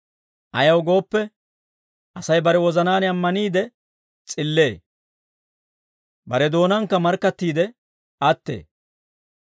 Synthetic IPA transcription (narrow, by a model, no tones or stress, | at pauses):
ʔɐjɐwɡo̞ːpːɛ | ʔɐsɐjbɐɾɛwɔzɐnaːnɪɐmːɐniːd̪ɛ | t͡sʼɪlːe̞ː | bɐɾɛd̪o̞ːnɐŋkːɐmɐɾkːɐt̪ːiːd̪ɛ | ɐt̪ːḛː